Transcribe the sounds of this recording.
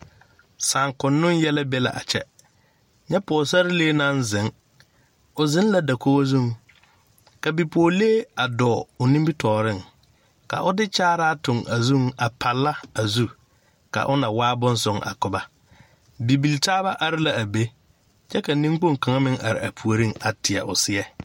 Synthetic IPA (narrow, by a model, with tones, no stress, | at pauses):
saː˨ŋkʊ˨nːʊ˦njɛ˦la˦bɛ˦la̰˨ʔa̰˨t͡ʃɛ̰˦ | ɲɛ˦pɔː˨sa˦ɾɪ˦leː˦nã˦n˦zɪ˨˦ŋ | ʊ˨zɪ˦n˦la˨da˨kʰo˦wo˦zũ˦˨ŋ | ka˨bi˨poː˨leː˦a˨dɔː˨ʊ˨nĩ˦mbi˦tɔː˨ɾɪ˦˨ŋ | ka̰˨ʔʊ˦dɪ˦t͡ʃaː˦ɾaː˦tʊ˨ŋʔa˨zũ˦ŋa˨pʰa˨lːa˦a˨zu˦ | ka̰˨ʔʊ˦na˨waː˦bʊ˦n˦sʊ˦ŋa̰˨kʊ˨ba˦ | bi˨bi˨ltaː˦ba˦ʔa˨ɾɪ˦la˨a˨be˦ | t͡ʃɛ˦ka˨nĩ˦ŋ˦k͡po˦˨ŋ˨ka˨ŋa˦mɪ˦ŋʔa˨ɾɪ̰˨a˨pʰu˨o˨ɾĩ˦ŋa˨tʰɪ˨ɛ̰˨ʔʊ˨sɪ˦ɛ˦